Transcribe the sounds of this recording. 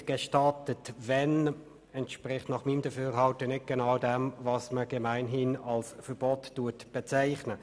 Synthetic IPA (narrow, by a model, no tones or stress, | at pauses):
ɡ̥eʃtɑtətvɛn | ɛntʃprɪχtnɑχmiːmd̥əfyːɾɦɑltənɪt̚ɡ̥ɛnaʊdɛmvɑsməɡ̥ɛmaɪnɦɪnɑlsfəb̥ɔtːuətb̥ɛt͡saɪχnə